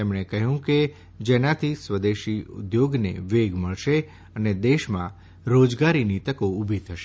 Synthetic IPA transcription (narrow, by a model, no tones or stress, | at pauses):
emɳ̃ekəɦjũke | d͡ʒɛnãt̪ʰisʋəd̪eʃiʊ̰d̪joɡnḛʋeɡməɭʃe | əned̪eʃmã̰ | ɾod͡ʒɡaɾinit̪əkoubʱit̪ʰəʃe